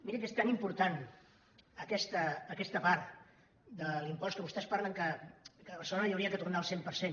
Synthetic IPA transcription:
miɾəkest̪animpuɾt̪an | əkɛst̪əːkɛst̪əpaɾt̪ | d̪əlimpɔskəβust̪ɛspaɾləŋkəkəβəsəonəjəwɾiəkət̪urnaəlˠsempəɾsen

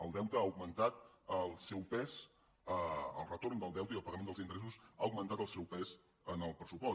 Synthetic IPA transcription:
əlˠd̪ɛwt̪əauɡmənt̪at̪əlˠsɛwpɛz | əə̰lˠrət̪ornd̪əlˠd̪ɛwt̪əiəlˠpəɣəmend̪əlˠzint̪əɾɛsusauɡ̚mənt̪at̪əlˠsɛwpɛz | ənəlˠpɾəsupɔ

